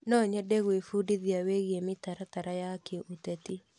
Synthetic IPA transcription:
nɔɲɛdɛɣwefudiðiaweɣiemitaɾataɾajakeʔutɛti

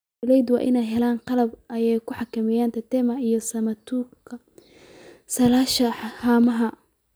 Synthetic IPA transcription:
lɛjd̪wɑ̰ːʔɪnɛjɦɛlaːnqɑlɐbʔɐjɛjkʰʊħɑkʰɐmɛjaːnt̪ʰɐt̪ɛmɐijɞsɐmɐt̪ʰukʰɐ | sɐlaːʃɐhaːmɐɦɐ

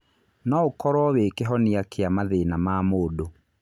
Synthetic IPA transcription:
nɔokɔɾwɔwekɛɦɔneakʰeamaðenamaːmodo

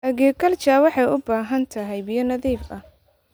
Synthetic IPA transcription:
ʔɐɣɛːkʰɐlt͡ʃaːwɑħɑjʊbaːɦɐnt̪ʰɐɦɛjbijɐnɐðiːfɐ

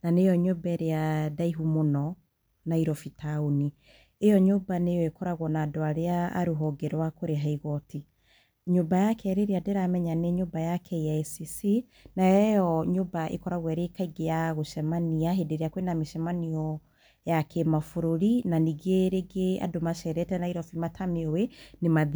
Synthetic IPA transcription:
nanejɔɲobɛɾeadaiɦumonɔ | naiɾɔfitʰaoni | ejɔɲobanejɔekɔɾaɣwɔnaːdoaɾea̰ːɾuɦɔɡɛɾwakoɾeɦaiɣɔti | ɲobajakʰɛɾeɾeadeɾamɛɲaneɲobajakʰɛiaɛsisi | naɛjɔɲoːbaʔḛkɔɾaɣwɛɾekaiɡejaɣoʃɛmaniaɦedeɾeakwenameʃɛmaniɔ | jakʰemafoɾoɾinaniɡeɾeɡea̰domaʃɛɾɛtɛnaiɾɔfimatʰameowenemað

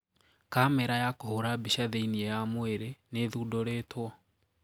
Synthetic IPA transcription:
kamɛɾajakohoɾabiʃaðeiniɛjamweɾeneðudɔɾeːtwɔ

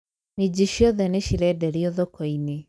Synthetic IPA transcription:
med͡ʑiʃiɔðɛneʃiɾɛdɛɾiɔðokɔine

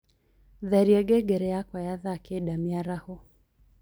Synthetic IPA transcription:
ðaɾiɛɡɛɡɛɾɛakwajaðakɛɗamiaɾahɔ

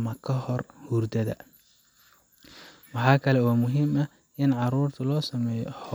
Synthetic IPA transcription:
mɐkʰɐhɔrhurd̪ɐðɐ̰ | wɑħɑːkʰɐlɛwɑːmʊɦɪmɐ | ɪnʕɑɾuːrt̪ʰʊlɔːsɐmɛːjɔ̰ħ

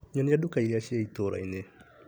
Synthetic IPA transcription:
ɲɔnijadukaiɾiaʃiait̪oɾa̰ine

